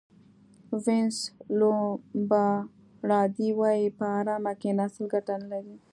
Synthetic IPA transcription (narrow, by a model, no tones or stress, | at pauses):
vɪnslobɑ | ɽɑd̪iwɑjipəaɾɑmakenaslɡaʈanəlaɾi